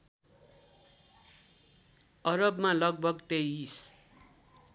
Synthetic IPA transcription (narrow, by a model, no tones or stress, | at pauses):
ʌɾʌbmalʌɡ̚bʱʌɡt̪eis